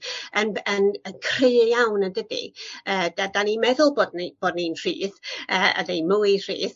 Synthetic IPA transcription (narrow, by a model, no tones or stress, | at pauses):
ənənənkʰr̥eɨjawnəndədḭəːdadanimɛðʊlˠboːdnib̥oːdninr̥iːðəːa̰dejnmʊjr̥ḭːð